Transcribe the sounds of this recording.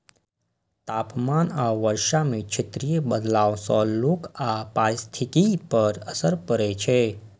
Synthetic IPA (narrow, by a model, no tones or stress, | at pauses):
t̪aːpmaːnaʋəɾʃamẽt͡ʃʰət̪ɾijebəd̪laːõsɔ̃loːkʰapaːɾst̪ʰikipəɾəsəɾpəɾɛt͡ʃʰe